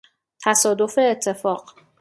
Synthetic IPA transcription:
t̪ʰæsɒːd̪o̞fe̞ːt̪ʰːe̞fɒːɢ̥

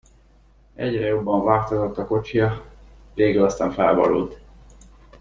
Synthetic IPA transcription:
ɛɟrɛjobːɒɱvaːkt̪ozot̪ːɒko̞t͡ʃijɒ | veːɡylɒst̪aːɱfɛlbɒ̰lṵlt̪

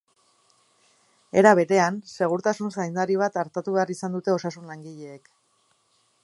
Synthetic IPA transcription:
e̞ɾaβe̞ɾe̞anse̞ɣuɾt̪asunsajnd̪aɾiβ̞at̪aɾt̪at̪uβe̞aɾisand̪ut̪e̞o̞sasunlaŋɡiʎe̞ːk

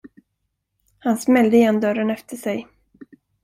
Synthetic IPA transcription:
hansmɛld̪əɪjɛnd̪œɾənɛft̪ʰəʂɛj

